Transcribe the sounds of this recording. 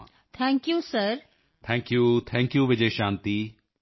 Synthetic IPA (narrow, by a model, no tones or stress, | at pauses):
t̪ʰɛ̃ːŋkjuːsɐɾ | t̪ʰɛ̃ːŋkjuːt̪ʰɛ̃ːŋkjuːʋɪd͡ʒeʃãːnt̪i